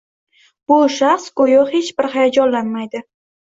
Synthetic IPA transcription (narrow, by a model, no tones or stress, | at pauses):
b̥ʊʃaχskʰojohe̞t͡ʃbɪɾhajad͡ʒɒnlanmajd̪ɪ